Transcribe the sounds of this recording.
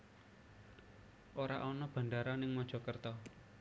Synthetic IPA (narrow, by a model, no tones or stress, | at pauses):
ʔoɾa̰ʔɔnɔb̥ä̤ndaɾanɪŋmɔd̥ʒ̥ɔ̤kərt̪ɔ